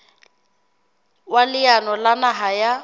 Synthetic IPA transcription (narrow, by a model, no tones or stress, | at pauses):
walɪjanɔlanaɦaja